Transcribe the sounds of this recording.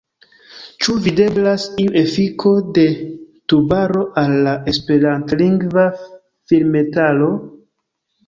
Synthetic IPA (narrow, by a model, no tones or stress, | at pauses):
t͡ʃuvide̞blasiuʔe̞fikʰo̞de̞tubaɾo̞ʔalːae̞spe̞ɾantliŋɡva | filme̞talo̞